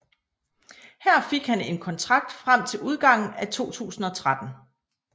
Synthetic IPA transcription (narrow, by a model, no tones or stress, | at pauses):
hæɐ̰fe̝ɡ̥hæne̝nkʰɒ̽nt͡sʰʁɑ̈ɡ̥̚d̥fʁam̰t͡sʰe̝luð̞ˠɡ̥ɑ̈ŋ̰n̩æt͡sʰo̝̰ːt͡sʰṵːsn̩ɒ̽t͡sʰʁad̥n̩